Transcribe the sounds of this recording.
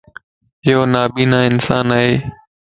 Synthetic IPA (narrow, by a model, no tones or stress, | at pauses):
ɪɦoːnaːɓiːnãːɪnsaːnaːɦeː